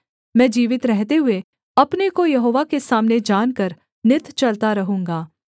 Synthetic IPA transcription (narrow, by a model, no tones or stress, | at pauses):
mɛ̃ːd͡ʒiːʋɪt̪ɾɛɦt̪eɦʊe | ɐpnekojɐɦoːʋakesaːmned͡ʒaːnkɐɾ | nɪt̪t͡ʃɐlt̪aɾɐɦũːŋɡaː